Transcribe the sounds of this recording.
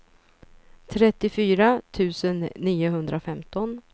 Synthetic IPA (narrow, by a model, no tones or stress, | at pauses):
t̪ʰɾɛt̪ːɪfyːɾat̪ʰʉ̟ːsənːiːʊɦɵnd̪ɾafɛmt̪ɔn